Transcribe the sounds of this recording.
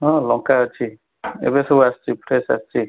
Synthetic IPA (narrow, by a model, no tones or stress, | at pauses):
ɔ̃lɔ̃kat͡ʃʰi | ḛbesowastipɾɛsa̰sti